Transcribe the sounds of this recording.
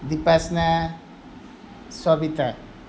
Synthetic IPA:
d̪ipasna | swabit̪a

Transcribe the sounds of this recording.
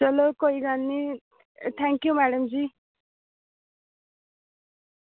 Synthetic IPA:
t͡ʃʌlokoiɡanːi | t̪ʰɛŋkjumæɽəmd͡zi

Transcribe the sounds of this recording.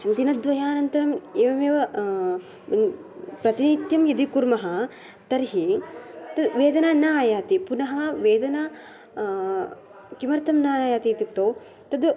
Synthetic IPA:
d̪inɐd̪ʋɐjaːnɐnt̪ɐɾɐmeːʋɐmeːʋɐ | pɾɐt̪init̪jɐmjɐd̪ikuɾmɐɦɐ | t̪ɐɾɦit̪ɐʋeːd̪ɐnaːnaːjaːt̪ipunɐɦɐʋeːd̪ɐna | kimɐɾt̪ɐmnaːjaːt̪it̪ikt̪oː | t̪ɐd̪

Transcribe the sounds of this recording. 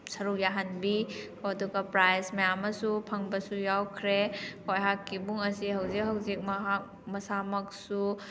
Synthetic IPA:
sɐɾuk̚jaɦanbikʰoɐduɡɐpɾajsmɐjamɐsupʰɐŋbɐsujawkʰɾekojɦakːibuŋɐsiɦɐwzik̚ɦɐwzik̚mɐɦak̚ | mɐsamɐk̚su

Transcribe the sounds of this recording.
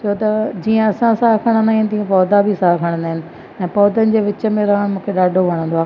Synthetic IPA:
t͡ɕʰɐot̪ɐd͡ʑiːə̃ɐsãsaɦkʰɐɽ̃ə̃nd̪aːɦɪnɪ̆t̪iɐ̃pɔːd̪abʱisaːɦkʰɐɽ̃nd̪aːɦɪnɪ̆ | ɛ̃ːpɔːd̪ənɪ̆d͡ʑeːʋɪt͡ɕə̆mẽɾɐɦəɽ̃mũːkʰeɗaːɖʱoʋɐɽ̃nd̪oaː

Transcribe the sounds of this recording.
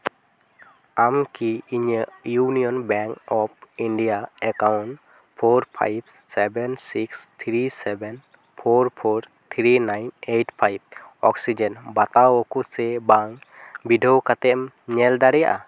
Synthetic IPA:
amkiiɲəjunijɔnbɛŋkɔp̚iɳɖijaɛkawnʈ | pʰoɾpʰa̰jb̚ | sɛbɛnsikst̪ʰɾisɛbɛn | pʰoɾpʰoɾ | t̪ʰɾinajneʈpʰajb̚ɔksid͡ʒɛnbat̪awɔkusɛbaŋbiɖʱɔwkat̪ɛm | ɲɛld̪aɾɛja̰ʔa

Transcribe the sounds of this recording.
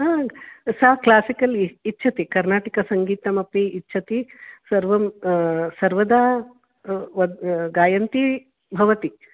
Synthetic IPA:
ɦaːsɐklaːsikɐlitːt͡ʃʰɐt̪ikɐɾnaːʈɐkɐsɐŋɡiːt̪ɐmɐpiːtːʃʰɐt̪isɐɾʋɐmsɐɾʋɐd̪aː | ʋɐɡaːjɐnt̪i | bʱɐʋɐt̪i

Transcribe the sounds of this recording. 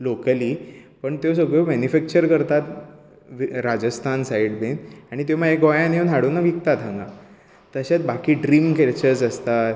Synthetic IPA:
lokəliːpəɳt̪jos̬əɡɭjomɛnifɛk̚t͡ɕəɾkəɾt̪at̪ | ʋɾad͡ʑəst̪ʰansajiɽbenaɽ̃it̪̬jomaɦeɡojãnenaɽuːnːaʋik̚t̪at̪ʰãŋɡa̰ | t̪əɕat̪bakiːɖɾiːmkʰeɾt͡ɕət͡səst̪at̪

